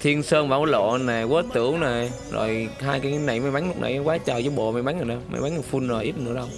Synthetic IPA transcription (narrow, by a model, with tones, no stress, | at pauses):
t̪ʰi˧ənsəː˧nvaː˧˦wlo̰˧˨naː˨˩wəː˨˦t̪ɨ˧˩˦əwnaː˨˩ | zo̰˨˩jhaː˧jkaː˨˦jna˨˧˩jma˧˦ɓa˨˦ŋlʊ˦˥k͡p̚nʔa̰˧˩jkwaː˨˦t͡ɕəː˨˩t͡ɕɔ˨˦ɓo̰˧˨ma˨˧˩jɓa˨˦ŋə˨˩na˨˩ma̰˧˩jɓa˨˦ŋə˨˩fu˧nzo˨˩jʔi˦˥t̚nɨ̰˧˥ə˦ɗə˧w